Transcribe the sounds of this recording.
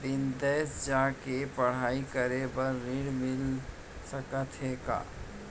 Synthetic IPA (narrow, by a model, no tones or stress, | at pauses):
b̪ɪnd̪ɛːsd͡ʒaːkepɐɽ̤aːikəɾebəɾːɪɽmɪl | səkət̪ɦeːka̰ː